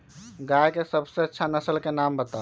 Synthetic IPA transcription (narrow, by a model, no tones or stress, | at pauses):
ɡajkesəbseətːʃʰanəsəlkenambət̪a